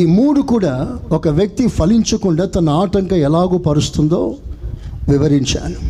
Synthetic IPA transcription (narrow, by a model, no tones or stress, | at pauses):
iːmuːɽukuːɽaːɔkɐʋjɐk̚t̪ipʰɐliɲt͡ʃɐkuɳɖaːt̪ɐnɐaːʈɐŋkɐɛlaːɡoːpɐɾust̪und̪o̰ː | ʋiʋɐɾiɲt͡ʃa̰ːnu